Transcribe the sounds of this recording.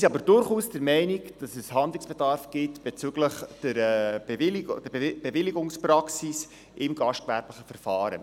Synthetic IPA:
siɑbəɾd̥ʊɾχuːsdəɾmɛɪnikd̥ɑsəshɑnd̪lɪŋsb̥edɑrfɡ̥ɪtb̥et͡syɡləχd̥əɾɛ̥ɪldəb̥evɪliɡʊŋsprɑksis | ʔɪmɡɑʃtkʋæɾbləχəfəɾfɑːɾə̰

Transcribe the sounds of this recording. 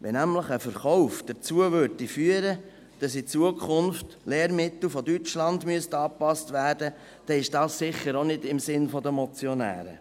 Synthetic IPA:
ʋɛnæmləχəfəɾχɔʊfd̥əɾt͡suəʋøɾdifyəɾə | d̥ɑs̬it͡suəkʰχʊnft | leːɾmɪt̪l̩ˠfɔdyt͡ʃlɑndmyəstɑːpɑstvæːɾd̥ə | d̥ɛɪʃd̥ɑːssɪχəɾonɪdɪmsɪnfɔdəmɔt͡sjɔnæ̰ːɾə̰

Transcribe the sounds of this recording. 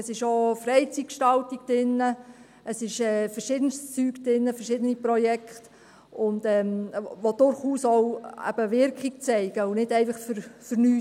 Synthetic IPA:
əsɪʃoːfɾɛɪt͡sit̚kʃtɑltiɡ̥̚d̥ɪnːə | əsɪʃɛːfəɾʃɪd̥ənst͡syːɡd̥ɪnːəfəɾʃɪdənipɾɔjɛkχt | ʊndɛmʋodʊɾχuːsowæ̰b̥əʋɪɾkχiɡ̚t͡sɛɪɡ̥əʊnɪdɛɪfɑχfəɾfəɾnyː

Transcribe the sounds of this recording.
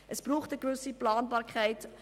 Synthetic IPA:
ʔəsb̥ruːχtəɡvɵsiplɑːnbɑːɾkʰɛɪt

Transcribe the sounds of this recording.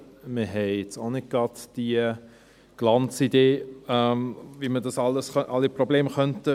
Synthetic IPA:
məɦɛɪɛt͡sonɪd̚ɡ̥ɾɑd̪d̥iə | ɡ̥lɑnt͡sideːɛmvimədɑsɑlːəsʔɑlːipɾobleːmχœntə

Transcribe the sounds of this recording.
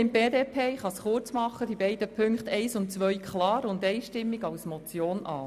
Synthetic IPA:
ɪmb̥eːd̪eːpʰeːχɑsχʊɾt͡smɑχːəd̥̪ibɛɪd̥̪əpʰʏŋkχt̪ʰɛɪsʊntt͡sʋœɥkʰχlɑːɾʊndɛɪʃtɪmːiɡɑwsmɔt͡sjoːnʔɑ̰ː

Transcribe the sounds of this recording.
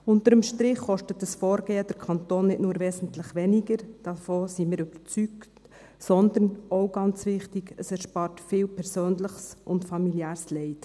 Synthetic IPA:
ʊntəɾəmʃtɾɪχːɔʃtətːəsfɔːɾɡ̥eːəd̥əɾkʰɑnt̪oːnːɪtnuːɾʋɛsn̩tləχʋɛniɡəɾd̥ɑfoːsimɪːɾyb̥əɾt͡sykt | sɔnd̪ənoʊɡɑnt͡sʋɪχtiɡəsɛɾʃpɑːrtfɪːwpʰɛɾsøːnləχsʔʊntfɑmiljæːɾslɛɪt

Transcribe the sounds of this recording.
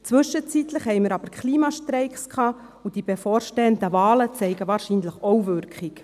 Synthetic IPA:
t͡sʋɵʃət͡sit̪ləχɦɛɪməɾɑb̥əɾkχliːmɑʃtrɛɪkskʰɑː | ud̥ib̥efɔːɾʃtɛːəndəvɑːlət͡sɛɪɡəvɑːɾʃiːnləχowvʏɾkχɪk

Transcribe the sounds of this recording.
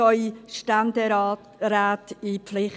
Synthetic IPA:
ɔʏʃtandə | ɾaːtipflɪχ

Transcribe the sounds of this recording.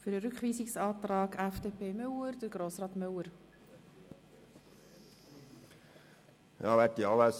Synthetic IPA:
fʏɾəɾʏkχʋiːsɪksɑːtrɑːɡʰæfd̥eːpʰeːmʏləɾd̥əɾɡɾoːsrɑːtmʏləɾ | jɑ̰ːʋɛt̪iɑləs

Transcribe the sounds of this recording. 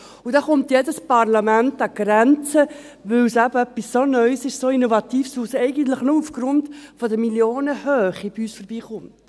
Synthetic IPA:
ud̥ɑːχʊmt̪jedəspɑɾlɑmæntɑɡ̥ɾɛnt͡sə | ʋɵwsæbəœpːisːonœʏsɪʃsoinovɑt̪iːfsusɛɪɡən̩tləχnʊufɡ̥ɾʊntfɔdəmiljoːnəhøːχib̥iyːsfɔɾbiːχʊmt

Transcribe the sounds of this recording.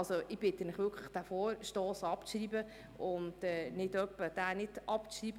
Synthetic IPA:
lsoʔɪb̥ɪtːənɪχʋʏkʰləχd̥afɔːɾʃtɔːsɑpt͡sriːbə | ʊndɛːnɪdœpːəd̥aːnɪdɑpt͡sʃriːb

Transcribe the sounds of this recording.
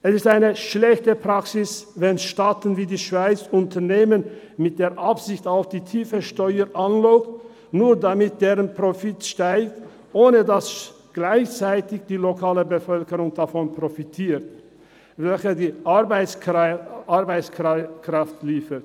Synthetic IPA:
ʔɛsɪstaɪnəʃlɛçtəpʁ̥aksɪsvɛnʃtaːtn̩viːdiːʃv̥aɪt͡sʊntʰɐneːmən | mɪt̚d̥eːɐʔapsɪçtaʊfd̥iːtʰiːfəʃtɔʏəɾʔanlɔːkt | nuːɐdamɪt̚d̥eːʁənpʁ̥ofɪtʃtaɪk̚t | ʔoːnədas | ɡ̥laɪçt͡saɪtɪçd̥iːlokʰaːləbəfœlkəʁʊŋd̥afɔnpʁ̥ofitʰiːt | vɛlçədiːʔbɪ | ʔaɐbaɪt͡skkʁ̥aftliːfət

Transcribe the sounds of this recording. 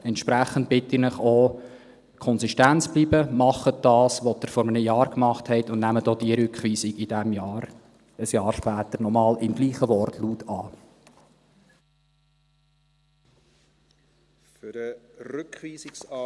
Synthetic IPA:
ɛntʃpɾæχən̩t̚b̥ɪtɪrnɪχoː | kʰɔnsiʃtænt͡sb̥liːbəmɑχəd̥ɑːsʋɔdəɾfɔɾmənəjɑːɾkmɑχthɛɪtʊndnæmədɔːd̥iəɾʏkχʋiːsiɡɪd̥æmjɑːɾ | əsjɑːɾʃpæːt̪əɾnɔmɑːlɪmɡliːχəʋɔrtʰluːtʰɑː | fɾəɾʏkʋiːsɪksɑ

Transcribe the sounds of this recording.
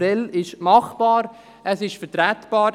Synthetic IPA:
ɛlɪʃmɑχb̥ɑːɾ | ʔəsɪʃfəɾtɾæt̪b̥ɑːɾ

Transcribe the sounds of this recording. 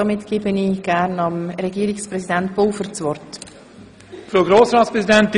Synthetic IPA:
ɑmɪtɡ̥eːbəniɡ̥æɾnɑmɾɛɡiːɾɪksprɛsidɛntb̥oːfəɾt͡svɔrt | fɾoːɡɾoːsɾɑːtspɾɛzidɛnt

